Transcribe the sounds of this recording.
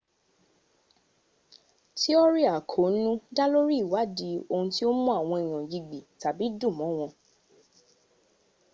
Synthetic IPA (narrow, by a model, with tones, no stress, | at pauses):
ti˦ɔ˦ɾi˦a˨kʰo˨˦nũ˦da˦lo˦ɾi˦˨wa˨˦di˨˦o˧ũ˧ti˦o˦mũ˦a˦˨w̃ɔ̃˧e˨j̃ɔ̃˨ji˧ɡ͡bi˨ta˨bi˨˦dũ˦˨mɔ̃˨˦˨w̃ɔ̃˧